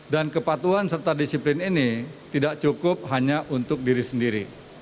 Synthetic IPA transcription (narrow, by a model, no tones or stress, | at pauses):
dankəpat̪uansərt̪adisiplɪninit̪idakt͡ʃukʊp̚ɦaɲaʔunt̪ʊk̚diɾisəndiɾi